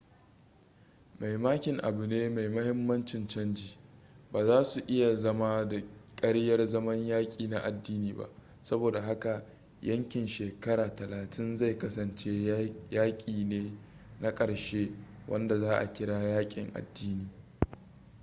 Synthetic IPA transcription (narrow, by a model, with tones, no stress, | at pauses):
ma˨jmaː˦kʲɪ˨ŋʔa̰˨bu˨neː˦ma˨jmɐ˦hɪ˦mːɐ˦nt͡ʃɪ˨nt͡ʃɐ˦nd͡ʒiː˨baː˨zaː˦su˨ʔɪ˦ja˨zɐ˦maː˦da˨kʼɐ˦ɽjɐ˦rzɐ˦mɐ˦ɲjaː˦kʲʼiː˨na˦ʔa˨dːiː˦niː˦ba̰˨ʔ | sɐ˦boː˨da˨ɦa˦ka˨ | jɐ˦ŋkʲɪ˨nʃeː˨kɐ˦ɽaː˨tɐ˨laː˨tʰɪ˦nza˦˨jkɐ˦sɐ˨nt͡ʃeː˦jaː˦kʲʼiː˨neː˦ | na˦kʼɐ˨ɽʃeː˦ | wʔɐ˦nda˨zaː˦ʔa̰˨kʲɪ˦ɽaː˦jaː˦kʲʼɪ̰˨ŋʔa̰˨dːiː˦niː˨